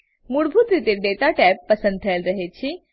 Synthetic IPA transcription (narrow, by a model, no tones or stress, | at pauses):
muɽbʱut̪ɾit̪eɖeːt̪aʈɛːpːɐsə̃nd̪̚t̪ʰɐjəlɾɐɦet͡ɕʰi